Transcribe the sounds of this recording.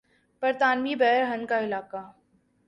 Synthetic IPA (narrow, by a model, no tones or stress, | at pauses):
pɐɾt̪aːnmiːbɛɦəɾɦɐnkaɪlaːka